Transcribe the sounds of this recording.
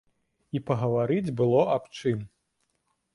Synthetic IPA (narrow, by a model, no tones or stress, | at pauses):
ipɐɣɐvaɾɨd͡zʲbɨlˠɔʔɐpt͡ʂɨm